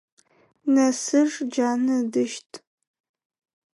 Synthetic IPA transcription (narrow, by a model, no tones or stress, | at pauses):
nɐsɨrd͡ʒaːnɨdɨʃtʼ